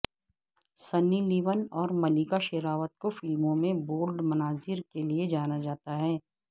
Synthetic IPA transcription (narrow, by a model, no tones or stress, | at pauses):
sɐnːiliːʋənɔːɾmɐliːkaʃɪɾaːʋət̪̚kofɪlmõmẽboːlɖmɐnaːzɪɾkelied͡ʒaːnad͡ʒaːt̪aɦɛː